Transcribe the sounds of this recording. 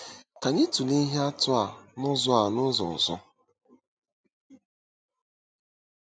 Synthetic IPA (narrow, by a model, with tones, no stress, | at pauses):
ka˨ɲɪ˦tu˨li˦ɦe˦a˦tʊ˦a˨nʊ˦zɔ˦a˨nʊ˦zɔ̰˨zɔ̰˦